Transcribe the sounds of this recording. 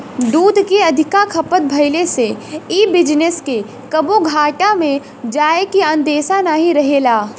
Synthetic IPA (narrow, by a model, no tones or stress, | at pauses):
d̪uːd̪ʱkeɐd̪ʱɪkakʰɐpət̪̚bʱɐɪleseiːbɪd͡ʒneske | kɐboɡʱaːʈamẽ | d͡ʒaːekiə̃nd̪eːʃanaːɦiɾɐɦeːlaː